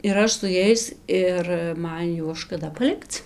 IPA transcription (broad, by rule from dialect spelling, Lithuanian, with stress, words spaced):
ɪr ˈɐʃ sʊ ˈjɛɪs ɪr ˈmɐn ˈjuɔs ʃkɐˈdɐ pɐˈlʲɪkt͡s